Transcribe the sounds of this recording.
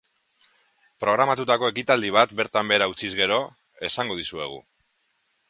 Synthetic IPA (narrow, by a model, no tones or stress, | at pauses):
pɾo̞ɣ̞ɾamat̪ut̪ako̞e̞kit̪ald̪iβ̞at̪be̞ɾt̪ambe̞ːɾaut͡sizɣe̞ɾo̞ | e̞saŋɡo̞ð̞isue̞̰ɣ̞ṵ